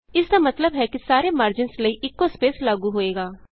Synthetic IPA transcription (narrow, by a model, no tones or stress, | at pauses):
ɪsd̪aːmət̪ləbɦɛːkɪsaːɾeːməːɾd͡ʒɪnsləiːʔɪkːoːspeːslaːɡuːɦoːeːɡaː